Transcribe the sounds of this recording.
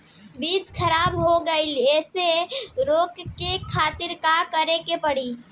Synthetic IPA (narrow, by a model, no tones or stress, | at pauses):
bid͡ʒkʰəɾabɦoɡəɪleseɾokːekʰat̪iɾkakəɾekepəɽi